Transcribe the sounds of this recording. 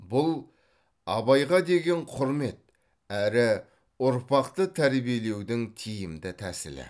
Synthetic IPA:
bʊlˠ | ɑbɑjʁɑd̪e̞ɡʲe̞ɴqʰʊɾme̞t̪̚ | æɾɪ | ʊɾpɑqt̪ət̪ʰæɾbije̞le̞wd̪ɪŋt̪ʰijɪmd̪ɪt̪ʰæsɪ̰lɪ̰

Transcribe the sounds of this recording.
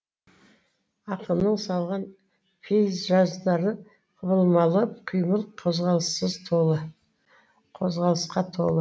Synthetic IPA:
ɑqəmnəɴsɑlˠʁɑn | pʰezʒɑzd̪ɑɾə | qʰəβəlˠmɑlˠəp̚qʰijməlˠqʰozʁɑlˠəsəzt̪ʰoə | qʰo̞zʁɑlˠəsqɑt̪ʰo̞̰lˠə

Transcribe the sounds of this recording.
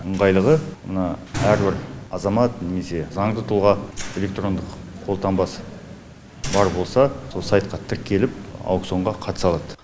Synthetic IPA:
əɴʁɑjlˠəʁəmənɑæɾbɪɾɑzɑmɑt̪ne̞me̞se̞zɑɴd̪ət̪ʰʊlˠʁɑe̞lʲe̞k̚t̪ro̞nd̪əqqʰːo̞lˠt̪ʰɑmbɑs | bɑɾbo̞lˠsɑso̞lˠsɑjt̪̚qɑt̪ʰɪɾkʲʰːe̞lɪp̚wkt̪so̞ɴʁɑqʰɑt̪ə̥sɑlˠɑd̪̥ə

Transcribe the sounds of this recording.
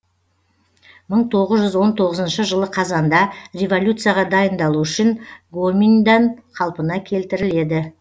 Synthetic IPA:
məɴt̪ʰo̞ʁəzʒʏzwo̞nt̪ʰo̞ʁəzənʃəʒəlˠəqʰɑzɑnd̪ɑrʲevo̞lʲjut̪sɨjaʁɑd̪ɑjənd̪ɑlˠuʏʃɪnɡomind̪ɑnqʰɑlˠpənɑkʲʰe̞lt̪ɪɾɪle̞d̪ɪ

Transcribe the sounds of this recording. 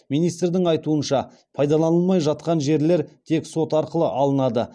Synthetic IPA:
minijst̪rd̪ɪŋɑjt̪uənʃɑ | pʰɑjd̪ɑlˠɑnəlˠmɑjʒɑt̪̚qɑnʒe̞ɾle̞ɾt̪ʰe̞kso̞t̪ɑɾqəlˠəʔɑlˠənɑd̪ə

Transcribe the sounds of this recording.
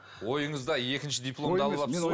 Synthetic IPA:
wo̞jəɴəzd̪ɑe̞kʲɪnʃɪd̪ijplˠo̞md̪ɑlˠəlˠɑ

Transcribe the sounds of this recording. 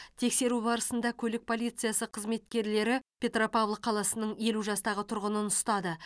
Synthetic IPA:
t̪ʰe̞kse̞ɾubɑɾəsənd̪ɑkʲʰɵlɪk̚pʰo̞lˠijt̪sɨjasəqʰəzme̞t̪kʲe̞ɾle̞ɾɪpʲe̞t̪ropavlˠqʰɑlˠɑsənəɴje̞luʒɑst̪ɑʁət̪ʰʊɾʁənənʊst̪ɑd̪ə

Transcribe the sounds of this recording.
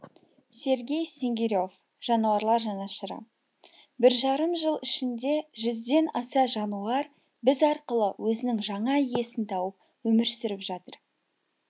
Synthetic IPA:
se̞ɾɡʲe̞jse̞ŋɡʲeɾʲjo̞f | ʒ̥ɑnuwɑɾlˠɑɾʒɑnɑʃəɾə̰ | bɪɾʒɑɾəmʒəlˠɪʃɪnd̪e̞ʒʏzd̪e̞nɑsɑʒɑnuɑɾ | bɪzɑɾqəlˠəwɵzɪnɪŋʒɑɴɑije̞sɪnt̪ʰɑwəp̚ | wɵmɪɾsʏɾɪpʒɑt̪əɾ

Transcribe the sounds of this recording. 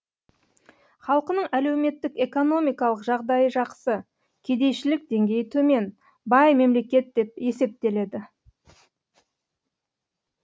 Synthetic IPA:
χɑlˠəqənəɴæle̞wme̞t̪ːɪke̞ko̞no̞mijkɑlˠəqʒɑʁd̪ɑjəʒɑqsə | kʲʰe̞d̪e̞jʃɪlɪk̚d̪e̞ŋɡʲe̞jt̪ʰɵme̞n | bɑjme̞mle̞kʲe̞t̪̚d̪e̞p̚e̞se̞p̚t̪e̞le̞d̪ɪ

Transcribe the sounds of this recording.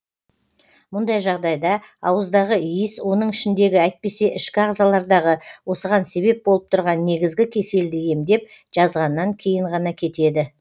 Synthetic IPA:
mʊnd̪ɑjʒɑʁd̪ɑjd̪ɑ | ɑwəzd̪ɑʁəijɪswo̞nəɴɪʃɪnd̪e̞ɡʲɪæjt̪̚pe̞se̞ʔɪʃkʲɪɑʁzɑlˠɑɾd̪ɑʁəwo̞səʁɑnse̞βe̞p̚bo̞lˠəp̚t̪ʰʊɾʁɑnːe̞ɡʲɪzɡʲɪkʲʰe̞se̞ld̪ɪje̞md̪e̞p̚ | ʒ̥ɑzʁɑnːɑŋkʲʰe̞jɪɴʁɑnɑkʲʰe̞t̪e̞d̪ɪ

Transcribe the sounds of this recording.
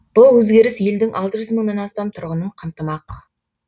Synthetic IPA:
b̥ʊlˠwɵzɡʲe̞ɾɪsje̞ld̪ɪŋʔɑlˠt̪əʒʏzməɴnɑnɑst̪ɑmt̪ʰʊɾʁənəɴqʰəmt̪əmɑq

